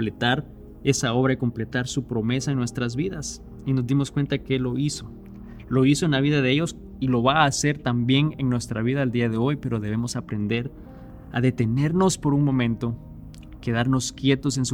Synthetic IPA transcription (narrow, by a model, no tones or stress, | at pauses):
plet̪aɾ | e̞sao̞βɾaiko̞mple̞t̪aɾsupɾo̞me̞saenwe̞st̪ɾazβiðas | ino̞zd̪imo̞skwe̞nt̪akelo̞iso | lo̞iso̞e̞nlaβiðaðeeʝo̞s | ilo̞βaːse̞ɾt̪ambje̞neŋnwe̞st̪ɾaβiðaeld̪iaðe̞o̞jpe̞ɾo̞ðe̞β̞e̞mosapɾe̞nd̪e̞ɾ | a̰ðe̞t̪e̞ne̞ɾno̞spo̞ɾunmõ̞mẽnt̪o̞ | ke̞ðaɾno̞skje̞t̪o̞se̞nsu